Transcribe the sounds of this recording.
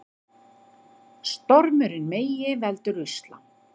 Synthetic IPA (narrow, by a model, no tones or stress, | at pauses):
st̪ɔɾmʏɾɪnmeːjɪvɛlt̪ʏɾʏjst̪la̰